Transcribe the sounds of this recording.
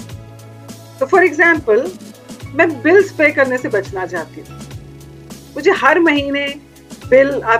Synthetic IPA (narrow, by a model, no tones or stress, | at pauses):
t̪oːfɔɾɪɡzɛ̃ːmpəl | mɛ̃ːbɪlspeːkɐɾnesebɐt͡ʃnad͡ʒaːt̪̚ɡe | mʊd͡ʒʱeɦɐɾmɐɦiːne | bɪlaː